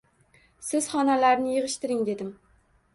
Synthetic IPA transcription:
sɪz̥χɒnalaɾnɪjɨʁɨʃt̪ɪɾɪŋd̪e̞d̪ɪm

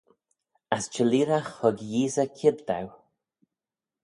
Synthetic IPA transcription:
ast͡ʃəliːɾaxhʊɡjiːzəkʰɪbd̪a̰w

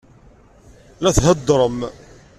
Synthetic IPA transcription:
læθɦəd̪ːɾˤəm

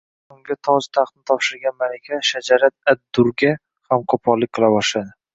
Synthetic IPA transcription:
ʊŋɡʲat̪ʰɒd͡ʒt̪ʰaχt̪nɪt̪ʰɒpʃɪɾɡʲanmalakʲʰaʃad͡ʒaɾat̪̚ad̪ːʊɾɡʲa | hamqʰɒpʰɒlːɪk̚ʲqʰɨlˠabɒʃlad̪ɪ

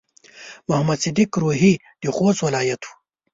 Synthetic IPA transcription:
mʊɦɐmɐd̪sid̪ikɾuːɦi | d̪̥ixoːswɐlaːjɐt̪ʰu̥

